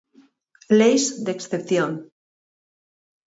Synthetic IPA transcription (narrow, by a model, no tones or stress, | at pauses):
lejzd̪eksθepθjon